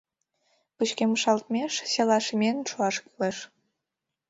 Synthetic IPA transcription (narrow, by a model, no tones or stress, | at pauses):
put͡ɕkeməʃɑlt̪̚mʲeʃselɑʃmʲenʃuɑʃkileʃ